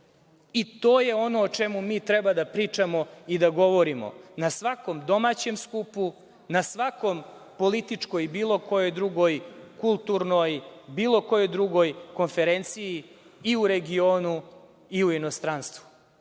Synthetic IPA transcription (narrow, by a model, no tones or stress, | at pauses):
it̪oːje̞o̞noːt͡ʃemumiːt̪ɾɛbad̪apɾiːt͡ʂamo̞id̪aɡo̞ʋoɾimo̰nasʋako̞md̪o̞mat͡ɕemskupu | nasʋako̞mpo̞lit̪it͡ʂko̞jbiːlˠo̞kojojd̪ɾuɡo̞jkulˠt̪uɾnojbiːlo̞kojojd̪ɾuɡo̞jko̞nfeɾent̪sijiː | uɾe̞ɡio̞ːnu | iuinost̪ɾanst̪ʋu̥